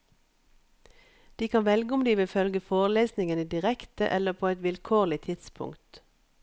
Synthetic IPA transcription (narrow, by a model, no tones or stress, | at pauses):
d̪̥iːkʰɑnʋɛlɡəʊmd̪iːʋɪfœlɡəfoːʁleːsnɪŋəniːd̪ɪʁɛkt̪ə̰ʔɛləpʰoːɛt̪ʋɪlkʰoːʁlɪt̪ʰɪt̪spʰʊ̰ŋkt̪